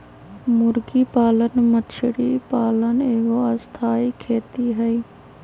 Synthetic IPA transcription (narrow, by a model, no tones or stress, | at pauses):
mʊɾɡipaːlənmətt͡ʃʰɽipaːləneːɡoəst̪ʰaːikʰeːt̪iɦɛi